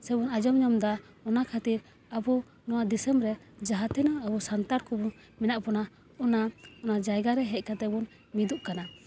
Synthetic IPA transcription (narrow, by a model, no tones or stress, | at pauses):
sɛbɔnad͡ʒɔmɲɔmd̪a | ɔnakʰat̪iɾ | abu | nɔwad̪isɛmɾɛ | d͡ʒaɦat̪inaːbɔsant̪aɾkɔbɔ | mɛnaʔpɔna | ɔnaɔnad͡ʒajɡaɾɛɦɛc̪̚ˀkat̪ɛbɔn | mid̪uʔkana